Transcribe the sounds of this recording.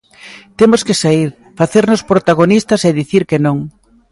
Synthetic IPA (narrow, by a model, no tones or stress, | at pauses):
t̪emoskɪsaiɾ | faθeɾnospɾot̪aɣonist̪ɐseðiθiɾkenõŋ